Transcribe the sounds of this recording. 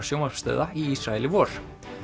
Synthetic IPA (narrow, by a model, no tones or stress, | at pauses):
sjowmapst̪ɛ̰ːðaiisɾaɛlɪvɔːɾ̥